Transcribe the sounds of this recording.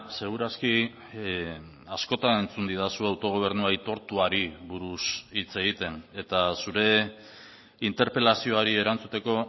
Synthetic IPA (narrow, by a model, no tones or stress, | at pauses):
se̞ɣ̞uɾaski | asko̞t̪ane̞nt͡sund̪iðasuawt̪o̞ɣ̞o̞β̞e̞ɾnuait̪o̞ɾt̪uaɾiβuɾusit͡se̞ɣit̪e̞ne̞t̪asuɾe̞ | int̪e̞ɾpe̞lasio̞aɾie̞ɾant͡sut̪e̞ko̞